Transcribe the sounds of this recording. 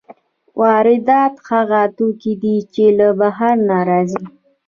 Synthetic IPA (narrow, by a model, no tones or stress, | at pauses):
wʔɑɾɪd̪ɑt̪xaɣat̪ukid̪it͡ʃelabaɦaɾnaɾɑzi